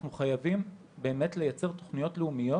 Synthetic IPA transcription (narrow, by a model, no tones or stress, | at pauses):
nuχajavim | be̞ːme̞tle̞jat͡se̞ʁt̪oχnijo̞tleumijo̞